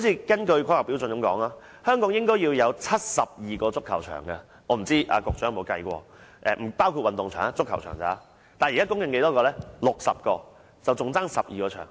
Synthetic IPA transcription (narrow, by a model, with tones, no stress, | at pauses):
ho˧˦wt͡sʰiː˧kɐ˥nkɵ˧ɥkʰɔː˥hɐ˨pi˨˥wt͡sɵ˧nkɐ˧˥mkɔ̰ː˨˥ŋaː˧ | hœː˥ŋkɔː˨˥ŋjɪ˥ŋkɔː˥jiː˧wjɐ˨˧wt͡sʰɐ˥t̚sɐ˨p̚jiː˨kɔː˧t͡sʊ˥kʰːɐ˨˩wt͡ʃʰœ̰ː˨˩ŋkɐ˧ | ɔː˨˧m̩˨˩t͡siː˥ʔa̰ː˧kʊ˧k̚t͡ʃœː˨˥ŋjm˨˧wkɐ˧jkʷɔ̰ː˧ | ʔɛ̰˧m̩˨˩paː˥wkʰu˧t̚wɐ˨nt̪ʊ˨ŋt͡ʃʰœ̰ː˨˩ŋa˧t͡sʊ˥kʰːɐ˨˩wt͡ʃʰœ̰ː˨˩ŋt͡sa̰ː˨˦˥ | t̪aː˨jiː˨kaː˥kʊ˥ŋkɪ˧ŋke˧˥jt̪ɔː˥kɔː˧lɛː˥lʊ˨k̚sɐ̰˨p̚kɔː˧ | t͡sɐ˨wt͡sʊ˨ŋt͡saː˥ŋsɐ˨p̚jiː˨kɔː˧t͡ʃʰœ̰ː˨˩ŋ